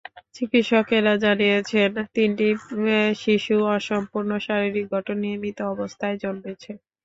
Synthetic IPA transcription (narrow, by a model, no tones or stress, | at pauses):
t͡ɕikit̪ʃɔkeɾad͡ʑanijet͡ɕʰent̪inʈiʃiʃuɔʃɔmpuɾnoʃaɾiɾik̚ɡʱɔʈonːiemit̪oɔbost̪ʰaed͡ʑonbet͡ɕʰe